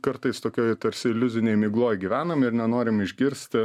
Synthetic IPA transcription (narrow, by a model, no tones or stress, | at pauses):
kɐɾt̪ɐɪst̪oːkʲoːjt̪ɐɾʲsʲɪɪlʲʊzʲɪnʲɛɪmʲɪːɡlˠoːjɡʲiːʋʲæːnɐmɪɾnʲɛnoːɾʲɪmɪʒʲɡʲɪɾʲsʲt̪ʲɪ